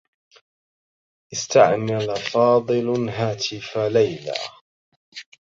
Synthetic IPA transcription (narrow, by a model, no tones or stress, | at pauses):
ʔɪst̪aʕmalafɑːd̪ˤɨlɦaːt̪ʰɪfalajla̰ː